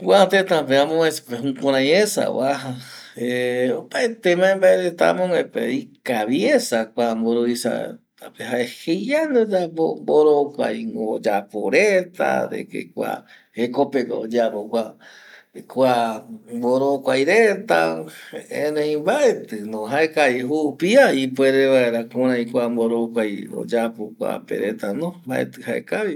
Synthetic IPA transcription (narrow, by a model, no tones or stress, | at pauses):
wʷat̪et̪apeamõespeɦũkõɾ̃ãj̃esa̰waɦaeopaet̪emãẽmbaeɾet̪a̰mõŋepeikaβjesakʷamboɾoisa̰t̪apeɦaehejjanod͡ʒaboboɾokʷa̰jŋod͡ʒapoɾet̪a̰d̪ḛkḛkʷa̰ | hekopekod͡ʒapokʷa | kʷamboɾokʷajɾet̪a | ḛ̃nẽjmbaʔe̞t̪ɨnõɦaekaiɦupiaip̬weɾeβaeɾakõɾãj̃kʷamboɾokʷajo̰d͡ʒapokʷa̰pḛɾet̪anõmbaʔe̞̰t̪ɨhaḛkaβi